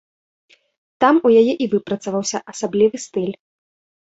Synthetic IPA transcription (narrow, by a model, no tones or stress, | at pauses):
t̪amujajɛʔivɨpɾɐt̪sɐvawsʲɐʔɐsablʲivɨst̪ɨlʲ